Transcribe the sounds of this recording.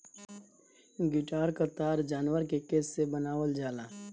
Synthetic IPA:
ɡɪʈaːɾkəɾt̪aːɾd͡ʒaːnwəɾkekeːsːebənaːwəld͡ʒaːlaː

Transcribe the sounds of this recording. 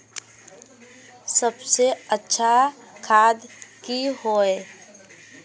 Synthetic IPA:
səbseətːʃʰakʰaːd̪kiɦoːeː

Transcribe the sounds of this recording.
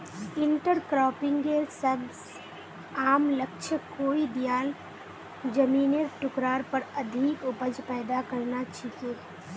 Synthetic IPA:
ɪ̃ɳʈəɾkɾɔːpɪ̃ŋɡeːɾsɐbs | aːmlɐkʃʰəkoːid̪jaːl | d͡ʒɐmiːneɾʈʊkɾaːɾpəɾɐd̪ʱikʊpəd͡ʒpɛːd̪akɐɾnat͡ʃʰikeː

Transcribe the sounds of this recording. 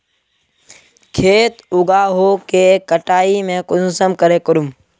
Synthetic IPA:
kʰeːt̪ʊɡaːɦoːkeːkəʈaːimẽːkʊnusəmkəɾeːkəɾʊm

